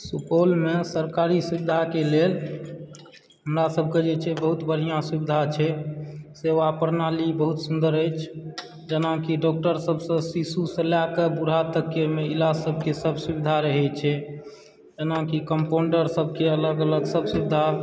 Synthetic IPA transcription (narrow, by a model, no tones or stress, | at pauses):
supolmesəɾkaɾisubid̪ʱakelel | ɦɦəmɾasəbʱked͡ʒet͡ʃʰɛbəɦut̪bəɽ̤ijãsubid̪ʱat͡ʃʰɛseʋapəɾnalibəɦut̪sund̪əɾəjt͡ʃʰ | d͡ʒənãkiɖɔk̚ʈəɾsəbʱsə̃sisusəlakebuɾ̤at̪əkemeilasəbʱkesəbʱsubid̪ʱaɾəɦɛt͡ʃʰɛ | d͡ʒənakikəmpoɳɖəɾsəbʱkeələɡələɡsəbsubid̪ʱa